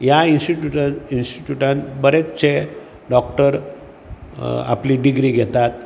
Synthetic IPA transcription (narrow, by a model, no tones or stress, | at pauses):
jainsʈiʈjuʈainsʈiʈjuʈãnbəɾet͡ɕe | ɖɔkʈəɾ | a̰pliːɖiɡɾiːɡʱet̪at̪